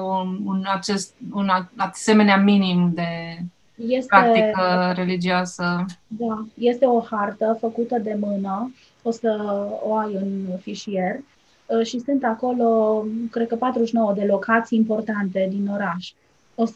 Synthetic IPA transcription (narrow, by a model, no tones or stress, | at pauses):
uunat͡ʃest̪̚unaase̞me̞neaminimd̪e̞ | je̞stɾaek̪ikəɾe̞lid͡ʒioasəd̪aje̞st̪e̞o̞hart̪əfəkut̪əd̪e̞mɨnə | o̞səoajɨnfiʃie̞r | ʃisunt̪ako̞lo̞kɾe̞d̪̚kəpat̪ɾuʃno̞əd̪e̞lo̞kat̪sijimpo̞rt̪ant̪e̞d̪ino̞ɾaʃ | os